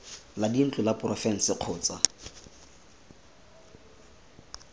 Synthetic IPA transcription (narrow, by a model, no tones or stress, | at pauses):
ladin̩t͡ɬʼʊlaprɔfɛn̩sɪq͡χʰɔːt͡sʼa